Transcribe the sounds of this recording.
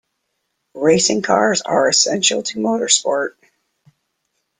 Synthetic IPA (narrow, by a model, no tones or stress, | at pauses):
ɹeɪsɪ̃ŋkʰɑɹzə̰˞ɨsɛ̃nʃl̩ˠtʰəmoʊɾə˞spɔɹt̚